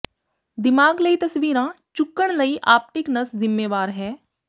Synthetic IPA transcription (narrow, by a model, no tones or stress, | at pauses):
d̪ɪmaːɡləit̪əsʋiːɾãːt͡ʃʊkːəɽ̃ləiʔaːp̚ʈ̪ɪknəszɪmːeːʋaːɾɦɛː